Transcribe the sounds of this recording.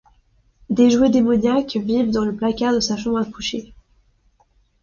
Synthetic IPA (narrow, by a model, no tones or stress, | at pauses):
d̪eʒwed̪emɔɲakvivd̪ɑ̃ləplakaʁd̪əsaʃɑ̃bʁakuʃe